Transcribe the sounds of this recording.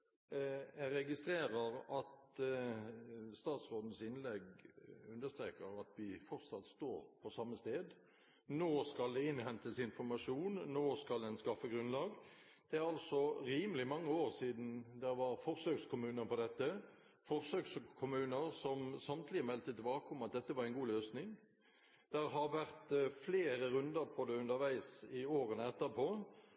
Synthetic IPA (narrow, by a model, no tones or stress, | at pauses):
jɛɾɛɡɪst̪ɾeːɾəɾɑt̪ | st̪ɑːt̪sʁoːd̪n̩sɪnlɛɡʉnd̪əst̪ɾḛːkəɾɑt̪ʋɪfɔʁt̪sɑt̪st̪oːɾpʰɔsɑmːəst̪eːd̪ | noːskɑld̪ɛɪnhɛnt̪əsɪnfɔʁmɑʂuːnːoːskɑld̪ɛnskɑfəɡʁʉnlɑːɡ | d̪̥ɛæɾɑlsɔɾiːməlɪmɑŋːəoːɾsiːd̪n̩d̪ɛɾʋɑɾfɔʁsøːkskʰʊmʉːnəɾpɔd̪ɛt̪ːə | fɔʁsøːkskʰʊmʉːnəɾsɔmsɑmt̪ʰlɪəmɛlt̪ət̪ɪlbɑːkəʊmɑt̪̚d̪ɛt̪ːəʋɑɾæɪnɡuːløːsnɪŋ | d̪̥ɛɾɦɑɾʋæʁt̪fleːɾəʁʉnd̪əɾpʰɔd̪ɛʉnd̪əɾʋæɪsɪoːʁənəɛt̪ːəpʰɔː